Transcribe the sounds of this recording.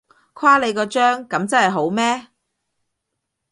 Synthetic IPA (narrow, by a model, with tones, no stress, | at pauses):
kʰwaː˥le˨˧kɔː˧t͡ʃœː˥ŋkɐ˨˧˥mt͡sɐ˥nhɐ˨˩jɦo˨˥wmɛː˥